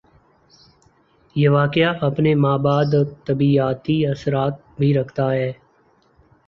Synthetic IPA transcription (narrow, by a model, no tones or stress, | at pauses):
jeʋaːkɪjaʔɐpnemaːbaːd̪t̪əbiːaːt̪iɐsɾaːt̪̚bʱiɾɐkʰt̪aɦɛː